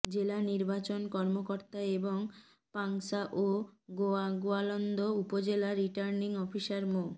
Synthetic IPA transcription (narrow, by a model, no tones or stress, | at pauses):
d͡ʑelaniɾbat͡ɕonkɔɾmokoɾt̪aeboŋ | paŋsaʔoɡoaɡoalɔnd̪ʱoupod͡ʑelaɾiʈaɾniŋɔfiʃaɾmo